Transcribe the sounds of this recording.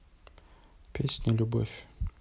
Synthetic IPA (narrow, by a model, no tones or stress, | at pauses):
pʲesʲnʲəlʲʊbo̰fʲ